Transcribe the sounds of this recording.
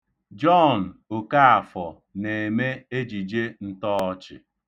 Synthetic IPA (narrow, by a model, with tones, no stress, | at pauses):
d͡ʒɔ˦˨n̩˨o˨ka˦a˨fɔ˨ | ne˨e˨me˦e˦d͡ʒi˨d͡ʒe˦n̩˦tɔː˦ɔ˦t͡ʃɪ̰˨